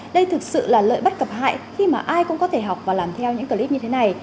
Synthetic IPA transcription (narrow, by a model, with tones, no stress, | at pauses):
ɗə˧jt̪ʰɨ˨˩k̚sɨ̰˧˨laː˨˩lə̰ː˧˨jɓə˦˥t̚kə˨˩p̚ha̰ː˧˨jxi˧maː˨˩ʔaː˧jkʊ̰˧˥ŋ͡mkɔ˨˦t̪ʰe˧˩ɦa˨˩wk͡p̚vaː˨˩laː˨˩mt̪ʰɛ˧wɲɨ̰˧˥ŋkə˨˩ʔi˦˥t̚ɲɨ˧t̪ʰe˨˦na˨˩j